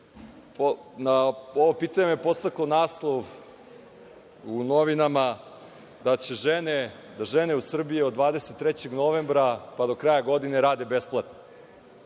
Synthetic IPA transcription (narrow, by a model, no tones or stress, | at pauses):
ponaoʋopiːt̪aɲejepo̞t̪st̪aklˠonaːslˠoʋ | uno̞ʋinama | d̪at͡ɕeʒene | d̪aʒeneusr̩biiod̪ːʋaːd̪e̞set̪ːɾet͡ɕe̞ɡno̞ʋembɾapad̪o̞kɾajaɡo̞d̪ineɾaːd̪e̞be̞splˠat̪no